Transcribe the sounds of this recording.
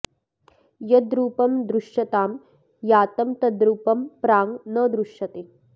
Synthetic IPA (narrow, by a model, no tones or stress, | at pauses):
jɐd̪ɾuːpɐmd̪ɾuʂjɐt̪aːm | jaːt̪ɐmt̪ɐd̪ɾuːpɐmpɾaːŋnɐd̪ɾuʃjɐt̪e